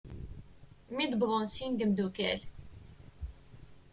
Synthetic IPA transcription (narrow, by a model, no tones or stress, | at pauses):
mid̪bʁonsind̪əmd̪ukæ̰l